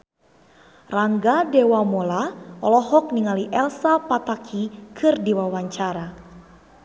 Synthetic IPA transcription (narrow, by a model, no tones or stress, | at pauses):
raŋɡadɛwamɔlaɔlɔɦɔk̚niŋaliʔɛlsapat̪akʰikʰɨrdiwawaɲt͡ʃaɾa